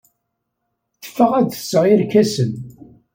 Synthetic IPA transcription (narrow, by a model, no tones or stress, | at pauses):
θə̥fːəʁæðθə̥sʁɪɾkæsən